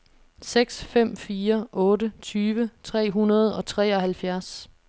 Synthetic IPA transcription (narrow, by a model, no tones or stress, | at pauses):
seɡ̥sfem̰fiːɐʔɔ̽ːɾət͡sʰyːʋət͡sʰʁɛ̰ːɦunɐð̞̩ˠɒ̽t͡sʰʁɛ̰ːɒ̽hælfjæɐs